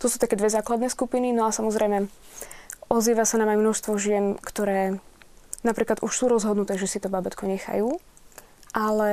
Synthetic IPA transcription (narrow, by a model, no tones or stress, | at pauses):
t̪ɔsuːt̪akɛːd̪ʋɛzaːklad̪nɛːskupininɔasamɔzɾɛjmɛ | ʔɔziːʋasanaːmajmnɔʃst̪ʋɔʒɪɛnkt̪ɔɾɛː | napɾiːklad̪uʃsuːɾɔzɦɔd̪nut̪ɛːʒɛsit̪ɔbabɛt̪kɔɲɛxa̰juː | ʔalɛ